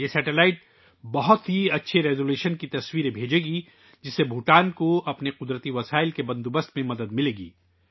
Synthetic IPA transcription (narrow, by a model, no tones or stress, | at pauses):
jesɛːʈelaːɪʈ | bɐɦʊt̪ɦiɐtːʃʰeɾeːɡuleːʃənkit̪ɐswiːɾẽbʱeːd͡ʒeːɡi | d͡ʒɪsebʱuʈaːnkoɐpneqʊd̪ɾət̪iʋɐsaːɪlkebɐ̃nd̪ubəst̪mẽmɐd̪əd̪mɪleːɡḭː